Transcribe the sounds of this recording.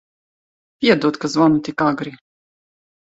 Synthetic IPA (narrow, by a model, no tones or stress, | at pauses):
pʲiɛd̪uɔt̪kazvɔnut̪ikaɡɾi